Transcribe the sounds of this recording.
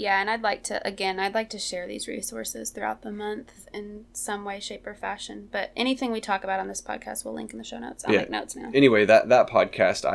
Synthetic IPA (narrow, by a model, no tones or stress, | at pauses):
jæɨ̃naɪdˡlaɪk̚tʰɨʔɨɡɛ̃naɪdˡlaɪk̚tʰɨʃɛɹðḭzɹḭsɔɹsɨ̰z̥θɹʉa̰ʊt̪̚ðəmʌ̃nθɨ̃nsʌ̃mweɪʃeɪpə˞fæʃɨ̃nb̥ʌɾʔɛɾ̃iθɪ̃ŋwitʰɔkəbaʊɾn̩ðɪspʰɑ̰d̚kʰæ̰st̚wilɪ̰̃ŋkn̩ðɨʃoʊnoʊtsaɪk̚noʊtsnaʊɛñiweɪðɨt̪̚ðət̚pʰɑ̰d̚kʰæsta̰